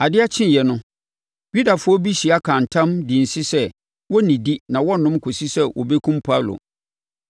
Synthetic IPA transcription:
a˨dɪ˦a˦t͡ɕʰɪ̃˦n˨jɛ˨nʊ̃˦ | ju˦da˨fʊ˦ɔ˦bi˦ɕi˨a˦kʰã˨n˨tʰã˦mdĩ˨n̩˨sɪ˦sɛ˦ | wɔ˦nĩ˨di˦nã˨wɔ˦nʊ̃˦m˦kʰo˨si˦sɛ˦wʔɔ̰˨be˦kʰũ˦mpʰa˦˨lo̰˨

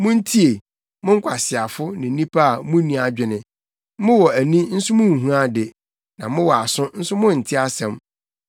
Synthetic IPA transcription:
mʊ̃˦n̩˦tʰi˦e˨ | mʊ̃˦ŋ̩˦kʷʰa˨sɪ˨a˨fʊ˦nɪ̃˨n˦nĩ˦pʰa˦a˨mũ˦nĩ˨˦a˨d͡ʑᶣɪ˨nɪ̃˨ | mʊ̃˦wɔ˨æ˨nĩ˦n̩˦sʊ˦mʊ̃˦˨ɦũ˦a˦dɪ˨ | nã˨mʊ̃˦wɔ˨a˨sʊ̃˦n̩˦sʊ˦mʊ̃˦n̩˨tʰɪ˦a˦sɛ̃˨m

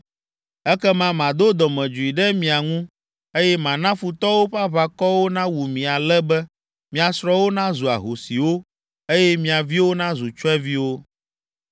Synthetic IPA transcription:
ɛ˦kɛ˦mã˦mã˨d̪o˦d̪ɔ˨mɛ̃˨d͡ʒu˨i˨ɖɛ˦mĩ˨a˨ŋũ˦ | e˦jɛ˦mã˨nã˦fu˨t̪ɔ˦wo˦ɸa˦βa˨kɔ˦wo˦nã˦wu˨mĩ˨a˨lɛ˦bɛ˦ | mĩ˨a˨sɾɔ˦wo˦nã˦zu˨a̰˨ɦo˨si˨wo˦ | e˦jɛ˦mĩ˨a˨vi˦wo˦nã˦zu˨t͡ʃɔ˦ɛ˦vi˦wo˦

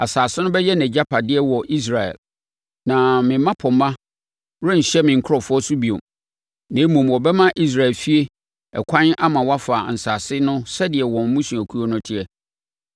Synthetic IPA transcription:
a˨saː˨sɪ˦nʊ̃˦bɛ˦jɛ˦nɛ̃˨d͡ʑa˦pʰa˨dɪ˦ɛ˦wɔ˨ʔi˦s̬ɾa˨ɛ̰˨l | nã˨mɪ̃˨˦mã˦pʰɔ̃˨mːã˦ | wʊ˦ɲ̩˨ɕɛ˦mɪ̃˨ŋ̩˨kʰʊ˦ɔ˨fʊ˦ɔ˦sʊ˦bi˨o̰˨m | nã˨˦mũ˨mwɔ˨bɛ˦mã˦ʔi˦s̬ɾa˨ɛ˨lfi˦e˦ | ɛ˨kʷʰã˦na˦mã˨wa˦fa˨n̩˨saː˨sɪ˦nʊ̃˦sɛ˦dɪ˨ɛ˨wɔ̃˨m̩˦mũ˦ɕũ˨æ˨kʰu˦o˦nʊ̃˦tʰɪ˦ɛ˨

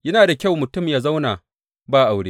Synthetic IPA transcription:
jɐ˦naː˨da˨kʲa˦˨wmʊ˨tʊ˦˨mjaː˦za˦wnaː˨ | baː˦ʔa˨wɽeː˦

